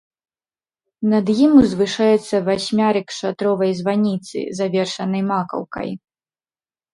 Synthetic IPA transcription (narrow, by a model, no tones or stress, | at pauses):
nɐd̪jimuzvɨʂajɛt̪sːɐvasʲmʲaɾɨkʂat̪ɾɔvɐjzvanʲit̪sɨ̰zavʲɛrʂɐnɐjmakɐ̰wkɐ̰j